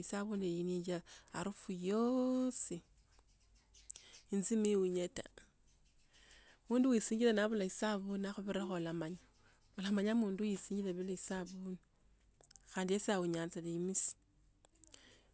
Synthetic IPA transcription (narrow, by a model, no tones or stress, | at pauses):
isaβunejiniɲd͡ʒaa̰ɾufujosi | inzimiwuɲeta | muːnduwisiːɲɟilenaβulaisaβunaxuβeɾaxolamaɲa | olamaɲamuːndujisiːɲɟileβileisaβun | xaːndiesiawuɲant͡saleimisi̥